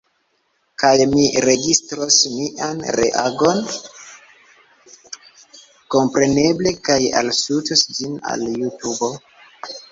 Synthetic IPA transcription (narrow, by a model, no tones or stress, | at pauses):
kajmiɾe̞ɡistɾosmiʔanɾḛʔaɡo̞n | ko̞mpɾe̞ne̞ble̞kaja̰lsutosd͡ʒina̰ljutubo̞